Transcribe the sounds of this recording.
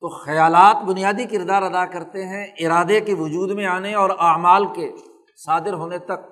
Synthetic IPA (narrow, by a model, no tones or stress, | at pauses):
t̪oxɐjaːlaːt̪bʊnijaːd̪ikɪɾd̪aːɾɐd̪akɐɾt̪eɦɛ̃ʔɪɾaːd̪ekeʋʊd͡ʒuːd̪mẽaːneɔːɾaːmaːlke | saːd̪ɪɾɦoːnet̪ɐk̚